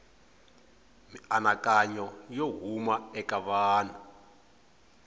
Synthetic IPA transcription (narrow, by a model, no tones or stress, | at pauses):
mianakʼaɲɔjoɦumaɛkaβaːna